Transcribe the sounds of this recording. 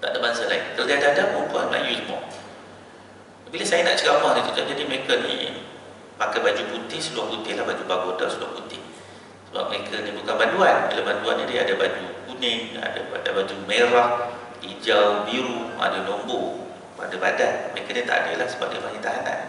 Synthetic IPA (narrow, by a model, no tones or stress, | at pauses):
t̪a̰ʔdabansəlainkaldiadaadamuukuaməla̰juimɔ̰ | biləsajəna̰ʔt͡ʃəɡamahdit̪ut̪ad͡ʒadiməekənḭ | makajbad͡ʒuput̪ɪhsəluahput̪ɪhlahbad͡ʒubaɡoda̰səlua̰hput̪ɪh | səba̰p̚mɾekʰənibukanbanduanbḭlabandua̰nːidia̰dabad͡ʒukunɪa̰da̰adabad͡ʒumeɾah | lid͡ʒawbiɾua̰dəlɔmbo | a̰dəba̰danməɾekanit̪a̰ʔa̰də̰lahsəba̰p̚diə̰panit̪aɦana̰n